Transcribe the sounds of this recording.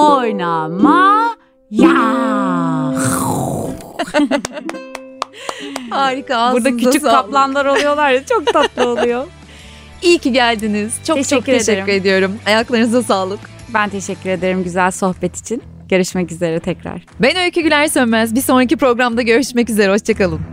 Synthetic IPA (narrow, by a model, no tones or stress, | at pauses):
ojnama | ja | aːɾikaːuɾd̪ancʰyzat͡ʃysaplˠanlˠaɾolˠujo̞lˠaɾd̪at͡ʃʰok̚t̪ʰat̪lˠɯolˠujo | ilciɟælʲd̪iniz̥t͡ʃʰot͡ʃʰokt̪ʰeʃɛːyɾed̪ijo̞ɾumajaklˠaɾɯnɯzasaːlˠɯk | bænt̪ʰeʃɛcːyɾe̞d̪eɾimɟyzælʲso̞hbɛt̪ʰi̥t͡ʃʰin | ɟ̥ø̞ɾyʃmɛcize̞ɾɛt̪ʰɛcɾa̰ɾ̥benøjʲcʰyɟylʲæɾsønmæzbiso̞nɾacipɾo̞ɡɾamd̪aɟø̞ɾyʃmɛcyze̞ɾɛo̞t͡ʃt͡ʃʰakalˠɯm